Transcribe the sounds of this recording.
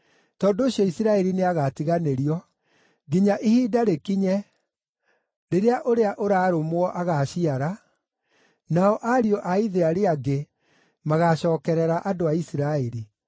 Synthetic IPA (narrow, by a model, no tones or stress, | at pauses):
tɔːdoːɕjɔisiɾaɛɾineaɣatiɣaneɾiɔ | ɡiɲaʔihiːdaɾekiɲɛ | ɾeɾeaʔoɾeaʔoɾaːɾomwɔʔaɣaɕiaɾa | naɔʔaɾiɔʔaiðeaɾeaɡe | maɣaɕɔːkɛɾɛɾaʔadoaisiɾaɛɾi